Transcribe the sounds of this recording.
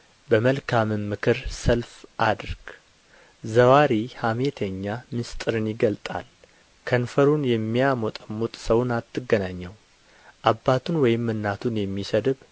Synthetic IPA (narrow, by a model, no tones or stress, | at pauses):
bəməlkʰamɨmːɨkʰɨɾsəlfʔad̪ɾɡ̥ | zəwaɾihamet̪ʰəɲːamɨst̪ʼɨɾɨnjɪɡəlt̪ʼa̰l | kʰənfəɾunjɛmːiamɔt̪ʼəmːut̪ʼsəwnat̪ʰːɨɡːənaɲːɛw | ʔabːat̪ʰunwɔjɪmːɨnːat̪ʰunjɛmːisəd̪ɨβ